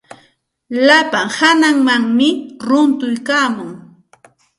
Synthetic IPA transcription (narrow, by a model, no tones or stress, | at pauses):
lapaŋhanaŋmaŋmɪɾʊnt̪ʊjkaːmʊŋ